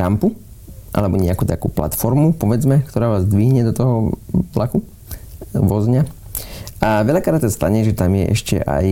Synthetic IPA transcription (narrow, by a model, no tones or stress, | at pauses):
ampu | ʔa̰lɛbɔɲɛakuːt̪akṵːpla̰t̪fɔɾmupɔʋɛd͡zmɛkt̪ɔɾaːʋaːzd̪ʋiɦɲɛd̪ɔt̪ɔɦɔlʔaku | ʋɔzɲa | aʋɛʎakɾat̪sast̪aɲɛʒɛt̪amjɛ̰ʔɛ̰ʃcɛ̰ʔa̰j